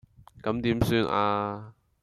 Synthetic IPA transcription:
kɐ˨˥mt̪iː˨˥msyː˧nʔaː˧

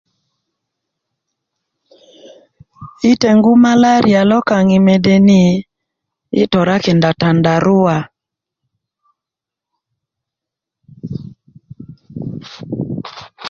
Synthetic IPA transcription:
ɪ˦te˨ŋɡu˦ma˦la˦ɾja˨lɔ˦ka˨ŋɪ˨me˨de˦ni˦ | ɪ̰˦tɔ˨ɾa˦kɪ˨nda˨ta˨nda˨ɾʊ˦a˨

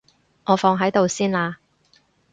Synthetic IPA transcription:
ŋɔː˨˧fɔː˧ŋɦɐ˨˥jt̪o˨wsiː˥naː˧

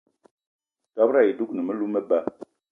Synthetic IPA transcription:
ta˨˦bɾa˦i˨du˦knə˨mə˦lu˦mə˦ba˦

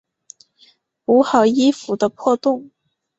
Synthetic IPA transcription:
u˧˥xɑ˨˩ʊi˥fu˨˧˥d̪ə˧pʰwɔ˥˧t̪ʊ˥˩ŋ

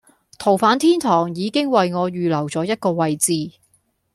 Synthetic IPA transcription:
t̪ʰo˨˩wfaː˨˥nt̪ʰiː˥nt̪ʰɔː˨˩ŋjiː˨˧kɪ˥ŋwɐ˨jŋɔː˨˧ɥyː˨lɐ˨˩wt͡sɔː˨˥jɐ˥t̚kɔː˧wɐ˨jt͡siː˧

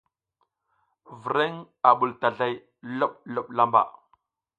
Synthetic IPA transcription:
vi˨ɾe˦ŋ | a˨ɓu˨lta˨ɮa˦j | lo˦ɓ̚lo˦ɓla˦mba̰˨

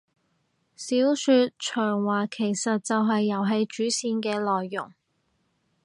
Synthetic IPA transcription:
siː˨˥wsyː˧t̚t͡ʃʰœː˨˩ŋwaː˨kʰe˨˩jsɐ˨t̚t͡sɐ˨wɦɐ˨jːɐ˨˩wɦe˧jt͡ʃyː˨˥siː˧nkɛː˧lɔː˨jːʊ̰˨˩ŋ

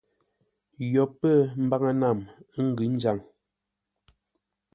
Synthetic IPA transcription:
jɔ˨pːə˦˨m̩˦ba˦ŋə˦na˦˨m˦ŋ̩˦ɡʉ˨˦n˦d͡ʒa˨ŋ

